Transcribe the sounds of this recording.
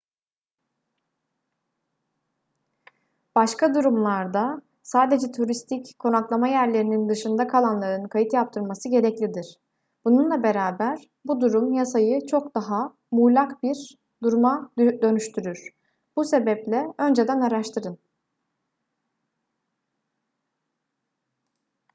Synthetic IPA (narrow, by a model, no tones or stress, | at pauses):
b̥aʃkʰad̪uɾumlˠaɾd̪a | saːd̪e̞d͡ʒɛt̪ʰuɾist̪ʰickʰːo̞naklˠamajæɾlʲe̞ɾinind̪ɯʃɯnd̪akʰalˠanlˠaɾɯnkʰajɯt̪jap̚t̪ʰɯɾmasɯɟe̞ɾɛclʲid̪iɾ̥ | b̥ununlˠabe̞ɾaːbæɾ | bud̪uɾumjasajɯt͡ʃʰo̞kd̪aɦa | mulʲˠakbiɾ | d̪uɾmadd̪ø̞nyʃt̪ʰyɾyɾ̥ | b̥use̞bɛplʲɛø̞nd͡ʒe̞d̪ænaɾaʃt̪ʰɯɾɯn